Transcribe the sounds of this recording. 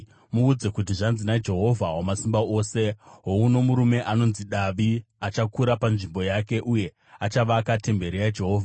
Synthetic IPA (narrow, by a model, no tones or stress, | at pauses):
muːd͡ze̞kut̬iʐanzinad͡ʒe̞ɦo̞vʱawamasimbao̞ːse̞ɦouno̞muɾume̞ʔano̞nziɗaʋiat͡ʃakuɾapanʐimbo̞jake̞ʔuje̞ | at͡ʃaʋakate̞mbe̞ɾerad͡ʒe̞ɦo̞ːvʱaa